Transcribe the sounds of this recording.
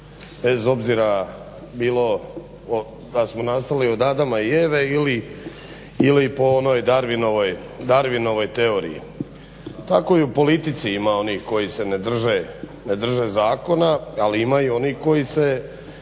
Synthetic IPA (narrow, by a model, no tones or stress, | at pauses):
be̞zo̞bziɾa | biːlo̞ | o | d̪asmo̞nast̪aliod̪ad̪amaieːʋe̞ili | ilipo̞ono̞ːjd̪aɾʋino̞ʋo̞j | d̪aɾʋino̞ʋo̞jt̪e̞o̞ɾḭjḭ | t̪a̰ko̞iupo̞lit̪it̪siimao̞niːhko̞jise̞ned̪r̩ʒene̞d̪r̩ʒe̞zaːko̞naaliimaio̞niːhko̞jise̞